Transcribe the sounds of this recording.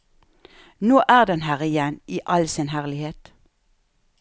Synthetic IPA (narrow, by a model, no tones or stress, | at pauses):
noːʔæːʁd̪ɛnhæːʁɪjɛniːʔɑlsɪnhæʁlɪheːt̪